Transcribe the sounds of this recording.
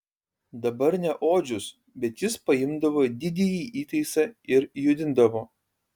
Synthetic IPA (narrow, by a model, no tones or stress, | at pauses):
d̪ɐbɐɾnʲɛʔoːd͡ʒʲʊs | bʲɛt̪jɪspɐɪmd̪ɐʋoːd̪ʲɪd̪ʲejiːʔiːt̪ɐɪsɐɪɾjʊd̪ʲɪnd̪ɐʋoː